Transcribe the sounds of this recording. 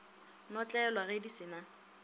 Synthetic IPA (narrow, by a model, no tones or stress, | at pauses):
nɔt͡ɬʼɛɛlwaɣedisɪna